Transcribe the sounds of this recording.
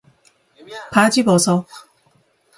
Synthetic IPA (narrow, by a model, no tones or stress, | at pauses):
pad͡ʑibʌsʰʌ